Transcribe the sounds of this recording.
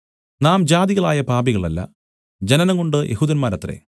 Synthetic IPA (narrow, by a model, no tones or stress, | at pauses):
naːmd͡ʑaːd̪iɣɐɭaːjɐpaːbiɣɐɭɐlːɐ̰ | d͡ʑenɐnɐŋɡoɳɖɨjʔehuːd̪ɐnmaːɾɐt̪ːrḛ